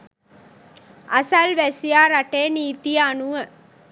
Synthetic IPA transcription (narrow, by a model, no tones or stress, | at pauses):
ɐsɐlʋæsijaːɾaʈeːniːt̪ianuʋə